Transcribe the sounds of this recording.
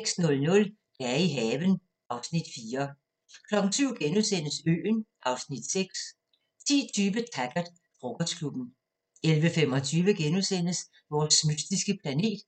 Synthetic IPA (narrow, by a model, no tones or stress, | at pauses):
seɡ̥snɔ̽lnɔ̽l | d̥æɐiɦɛːʋən | ʔɑ̈ʊsnid̥fiːɐ | kʰlɒ̽ɡ̥n̩syʊ̰ɡ̥enusen̰əsø̰ːnʔɑ̈ʊsnid̥seɡ̥s | t͡sʰḭːt͡sʰyːʋət͡sʰæɡ̥ɐd̥ | fʁoɡ̥ɒd̥skʰlub̥n̩ | elʋəfem̰ɒ̽t͡sʰyːʋəɡ̥enusen̰əs | ʋɒːsmysd̥isɡ̥əpʰlæne̝̰ːd̥